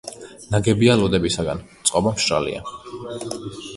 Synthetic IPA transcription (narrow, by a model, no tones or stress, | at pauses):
naɡɛbialɔd̪ɛbisaɡant̪sʼqʼɔbamʃʼa̰lḭa̰